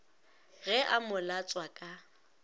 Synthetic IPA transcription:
ɣɛʔamʊlat͡sʼwakʼa

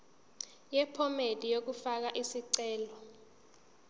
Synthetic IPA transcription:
jɛpʰɔmedʼʱijok̬ufak̬aʔisiǀɛːlɔ

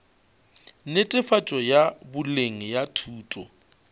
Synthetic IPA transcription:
netʼɪfat͡ʃʼɔjabʊleŋ̩jatʰuːtʼɔ

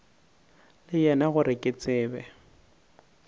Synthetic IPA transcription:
lɪjɛnaɣʊɾɪkʼɪt͡sʼɪːbɛ

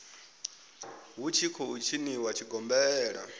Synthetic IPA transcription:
wut͡ʃʰikʰɔut͡ʃʰiniwat͡ʃʰiɡɔmbɛːɺa̰

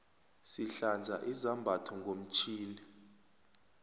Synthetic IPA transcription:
siɬand͡zʱa̰ʔizambʱatʰɔŋɡʱom̩t͡ʃʰiːni

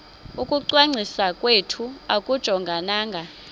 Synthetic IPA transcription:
ukʼuǀwaŋ͡ǀʱisakʼwetʰuakʼud̥ʒ̥ʱɔŋɡʱanaːŋɡʱa

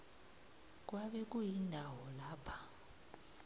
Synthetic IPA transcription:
k̬ʼwaɓɛk̬ʼujindʱawɔlaːpʰḁ

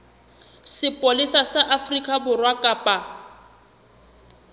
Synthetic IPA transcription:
sɪpʼolisasaʔafrikʼabʊrwakʼaːpʼa

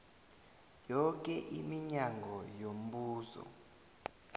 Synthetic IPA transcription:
jɔk̬ʼɛʔimiɲaŋɡʱɔjom̩ɓuːsɔ̰

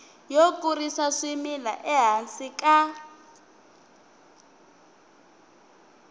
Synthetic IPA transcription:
jokʼurisaʂimila̰ʔɛɦasikʼa

